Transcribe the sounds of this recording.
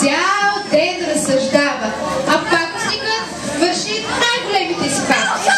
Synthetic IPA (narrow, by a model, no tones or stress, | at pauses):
jawd̪ɛnɾɐsɐʒd̪avɐt̪ɐpaksikət̪ | vɐɾʃinajɡʊlɛmit̪ɛsipat̪i̥